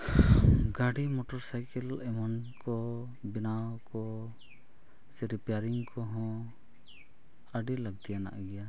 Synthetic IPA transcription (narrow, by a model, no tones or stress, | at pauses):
ɡaɖimɔʈɔɾsajkɛlɛmɔnkɔ | binawkɔ | sɛɾipjaɾiŋkʰɔɦɔ̃ | aɖilaɡ̚t̪ijana̰ʔɡɛja